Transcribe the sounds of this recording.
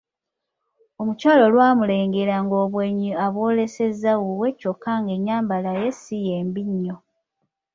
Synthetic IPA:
o̞mucwaːlo̞lwaːmule̞ːŋɡeɾaŋɡo̞ːβweɲːiaβoːle̞se̞zːawuwe̞cokːaŋɡe̞ɲːaːmbalajesijeːmbiɲːo

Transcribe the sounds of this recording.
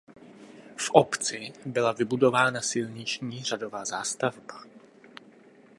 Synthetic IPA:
fʔopt͡sɪbɪlavɪbudovaːnasɪlɲɪt͡ʃɲiːr̝adovaːzaːst̪avbḁ

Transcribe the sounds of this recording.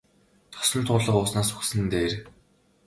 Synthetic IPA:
t̪ʰɔ̥sɞ̆nt̪ʰʊːɮə̆qʊːsnaːsuxsɘ̆nt̪eːr

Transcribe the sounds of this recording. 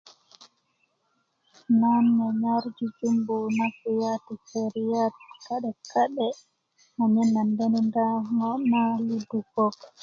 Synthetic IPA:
nanːɛɲaɾd͡ʒid͡ʒumbumafijatisɛɾijatkaɗɛkaɗɛ | naɲɛnːandɛnindaŋɔnalidukɔk

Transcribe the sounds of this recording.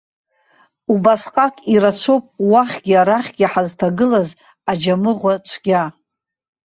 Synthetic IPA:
ubasqʼakʼiɾat͡sʷʰowpʼwaχʲɡʲiaɾaχʲɡʲiħaztʰaɡɨlaz | ad͡ʒamɨʁʷat͡ʃʷʰɡʲa

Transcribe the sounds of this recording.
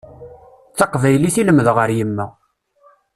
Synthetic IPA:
θɑqvæjliθiləməðʁəɾjəmːæ

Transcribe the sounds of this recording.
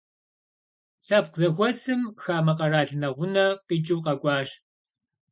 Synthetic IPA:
ɬɐp̚qzɐxʷɔsɨmxaːmɐqʼɐraːɬɨnɐʁʷʊnɐqit͡ʃʼiwqɐkʷʼɑːɕ

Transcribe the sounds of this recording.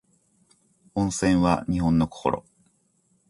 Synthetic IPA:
õ̞ɰ̃sẽ̞ɰ̃βa̰ɲ̟iɦõ̞nːoko̥ko̞̰ɾo̰

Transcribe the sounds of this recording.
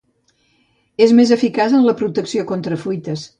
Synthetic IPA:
ezmezəfikazənləpɾut̪əksiokont̪ɾəfujt̪əs

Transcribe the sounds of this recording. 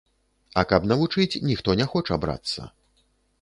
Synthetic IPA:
ɐkɐpnɐvut͡ʂɨt͡sʲnʲixt̪ɔnʲɛxɔt͡ʂɐabɾa̰t̪sːɐ̰

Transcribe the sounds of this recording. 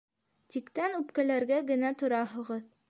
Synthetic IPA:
t̪ikt̪ænʉpkælæɾɡæɡɘ̆næt̪ŏɾɑɦɤ̆ʁɤð

